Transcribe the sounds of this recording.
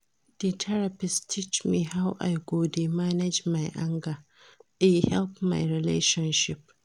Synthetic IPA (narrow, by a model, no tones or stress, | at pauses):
d̥etʰɛɾapɪstʰit͡ʃmiːhawʔa̰jɡoːdemanɛd͡ʒmajʔaŋɡa | ʔahɛlpma̰jɾɪlḛːʃɐnʃɪp̚